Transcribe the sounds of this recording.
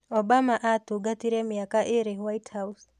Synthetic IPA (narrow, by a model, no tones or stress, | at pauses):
ɔbamaʔatuɡatiɾɛmiakaʔɪɾewajthaus